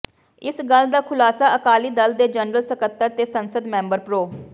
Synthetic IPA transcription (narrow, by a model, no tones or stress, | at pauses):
ɪsɡəld̪aːkʰʊlaːsaːəkaːliːd̪əld̪eːd͡ʒənɾəlsəkət̪ːəɾt̪eːsənsəd̪mɛ̃ːmbəɾpɾoː